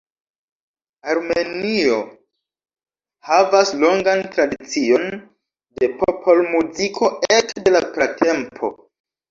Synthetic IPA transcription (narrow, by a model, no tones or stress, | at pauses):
aɾme̞nio̞ | havaslo̞ŋɡantɾadit͡sio̞n | de̞popʰo̞lmuzikʰo̞ekde̞lapɾatʰe̞mpʰo̞̰